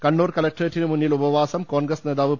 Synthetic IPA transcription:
kɐɳːuːrkɐlɐk̚ʈreʈːinɨmunːilubɐʋaːsɐmkoːnɡrɐsneːd̪aːʋɨ

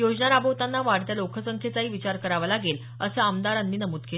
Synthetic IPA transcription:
jod͡ʑnaɾabəʋt̪anːaʋaɽt̪jalokʰəsəŋkʰet͡saɦiːʋit͡ɕaɾkəɾaʋlaɡel | əsəamd̪aɾanːiːnəmuːt̪kel

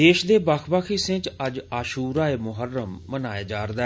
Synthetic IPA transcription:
eːʃd̪eːbaːkʰbaːkʰiːsɪ̃t͡ʃəd͡ʒaːʃuːɾaːeːmʊɦəɾːəmːənaːjaːd͡ʒaːɾd̪aː

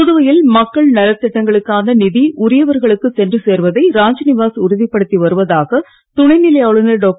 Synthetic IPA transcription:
kʊðɯʋɐjɪlmɐkːɐɭnɐlɐt̪ːɪʈːɐŋɡɐɭɯkːaːnɐnɪðiʔʊɾɪjɐʋɐɾɣɐɭɯkːɯsɛndrɯseːɾʋɐðɐɪɾaːɲd͡ʒɐnɪʋaːsʊɾɯðɪpːɐɽɯt̪ːiʋɐɾɯʋɐðaːɣɐ | t̪ʊɳɐɪnɪlɐjaːɭɯnɐɖoːk

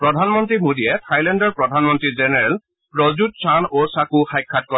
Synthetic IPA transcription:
pɹɔdʱanmɔntɹimodiɛtʰajlɛndɔɹpɹɔdʱanmɔntɹizɛnɛɹɛl | pɹɔzut̚sʰanosakuxajkʰːat̚kɔ

